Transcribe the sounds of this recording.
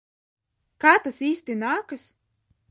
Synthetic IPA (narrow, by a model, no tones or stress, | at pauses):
kaːt̪asiːsʲt̪ʲinaːkɨs